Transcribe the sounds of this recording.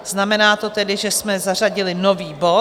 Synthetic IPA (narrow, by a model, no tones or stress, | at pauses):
z̥namɛnaːt̪o̞t̪ɛdɪʒɛsmɛzar̝aɟɪlɪno̞viːbo̞